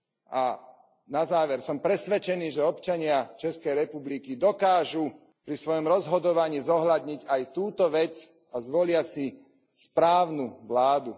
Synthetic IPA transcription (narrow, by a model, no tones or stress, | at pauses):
a | nazaːʋɛɾsɔmpɾɛsʋɛt͡ʃɛniːʒɛɔpt͡ʃaɲɪat͡ʃɛskɛjɾɛpublikid̪ɔkaːʒu | pɾisʋɔjɔmɾɔzɦɔd̪ɔʋaɲiːzɔɦlad̪ɲiɟajt̪uːt̪ɔʋɛt͡s | azʋɔlɪasi | spɾaːʊnuʋlaːd̪u